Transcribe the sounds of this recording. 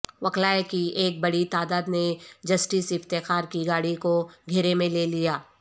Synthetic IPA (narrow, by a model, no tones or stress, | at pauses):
ʋɐklaːekieːk̚bɐɽit̪aːd̪aːd̪ned͡ʒɐsʈisɪft̪exaːɾkiɡaːɽikoɡʱɪɾemẽleːlijaː